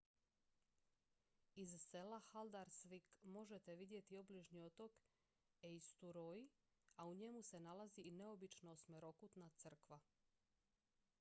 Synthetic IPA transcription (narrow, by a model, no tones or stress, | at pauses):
izse̞laxald̪aɾsʋikmo̞ʒet̪eʋid̪je̞t̪iobliʒnio̞t̪o̞k | eist̪uɾoji | auɲe̞muse̞nalazine̞o̞bit͡ʃnosmeɾo̞kut̪nat̪sər̩kʋa